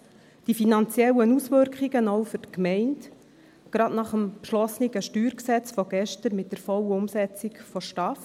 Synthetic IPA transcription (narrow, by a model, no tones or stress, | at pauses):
d̥ifinɑnt͡sjɛlənusʋʏɾkχiɡənoʊfʏɾtkmɛɪnt | ɡ̥ɾɑdnɑχəmpʃlɔsniɡəʃtyːɾksɛt͡sfɔɡ̥ɛʃtəɾmɪt̚d̥əɾfɔwəʊmsɛt͡sɪkfɔʃtɑf